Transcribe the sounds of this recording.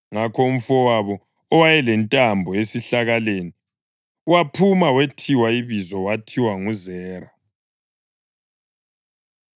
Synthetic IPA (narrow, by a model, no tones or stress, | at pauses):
ŋakʰɔum̩fɔwaβɔː | wajɛlɛntʼambʱɔesiɬaɣaleːni | wapʰumawetʰiwaiβizɔwatʰiwaŋuzɛːra